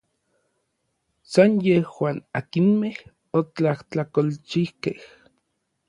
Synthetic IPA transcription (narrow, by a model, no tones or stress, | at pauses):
sanjehwaːnakinmeh | ot͡ɬaht͡ɬakolt͡ʃihkeh